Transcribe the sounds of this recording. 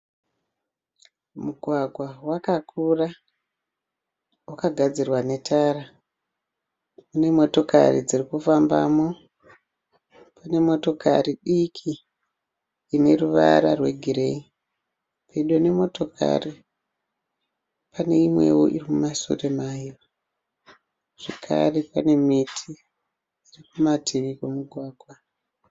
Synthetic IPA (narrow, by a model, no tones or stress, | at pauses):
muɡʱwaɡʱwawakakʰura | wakaɡʱad͡zirwane̞tʰaːra | une̞mo̞to̞ka̰rid͡zirikufamba̰ːmo̞ | pane̞mo̞to̞kʰa̰riɗikʰi | ne̞ruʋa̰ɾarwe̞ɡʱiɾe̞i | pʰeɗone̞mo̞to̞kʰa̰ri | pane̞imwe̞̰wo̰ʔirimumasṵremajijora | ʐ̥ekʰa̰repane̞mitʰi | irikumatʰiʋikwemuɡʱwaːɡʱwa